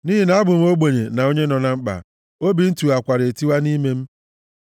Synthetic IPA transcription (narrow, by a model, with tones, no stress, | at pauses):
niː˦ɦi˨na˨˦a˦bʊ˨m̩˦o˦ɡ͡bo˨ɲe˨na˨o˦ɲe˦nɔ˨na˦ŋ͡m̩˦k͡pa̰˨ | o˦bi˨n̩˦tu˨a˨kʷa˨ɾe˨ti˦wa˦ni˦me˦m̩˦